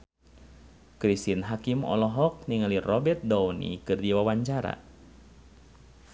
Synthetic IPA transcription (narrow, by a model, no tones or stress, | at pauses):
kɾist̪inɦakimɔ̰lɔɦɔk̚niŋalirɔbɛt̪̚dawnḭkɨrdiwawaɲt͡ʃaɾa̰